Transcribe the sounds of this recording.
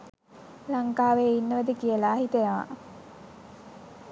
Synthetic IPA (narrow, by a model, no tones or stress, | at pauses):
laŋkaːʋeːinːəʋəd̪əkijəlaːɦit̪əjaʋa̰